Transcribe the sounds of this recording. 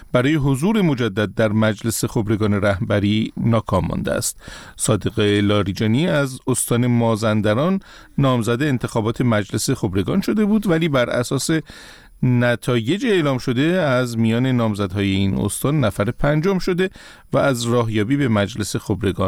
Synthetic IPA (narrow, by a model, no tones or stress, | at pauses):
b̥æɾɒːje̞ɦo̞zuːɾe̞mo̞d͡ʒæd̪ːæd̪̚ːæɾmæd͡ʒle̞se̞xo̞bɾe̞ɡɒːne̞ɾæhbæɾiːnɒːkʰɒːmːɒ̰nd̪ḛæ̰st̪sɒːd̪eɣelɒːɾid͡ʒɒːniæzost̪ɒːne̞mɒːzænd̪æɾɒːnː | ɒːmzæd̪eːnt̪ʰe̞xɒːbɒːt̪ʰe̞mæd͡ʒle̞se̞xo̞bɾe̞ɡɒ̰ːnʃo̞d̪e̞buːd̪væliːbæɾʔæ̰sɒːse̞ | næt̪ʰɒːje̞d͡ʒieːlɒːmʃo̞d̪e̞æzmijɒːne̞nɒːmzæd̪hɒːje̞ino̰st̪ɒːnːæfæɾepʰænd͡ʒɒmʃo̞d̪e̞ | væːzrɒːɦjɒːbiːbe̞mæd͡ʒle̞se̞xo̞bɾe̞ɡɒn